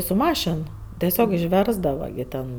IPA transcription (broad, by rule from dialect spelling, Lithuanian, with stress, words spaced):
sʊ ˈmɑːʃʲɪn tʲɛˈsʲoːk ɪʃʲˈʋʲɛrzdɐʋɐ ɡʲɪ ˈtʲɛn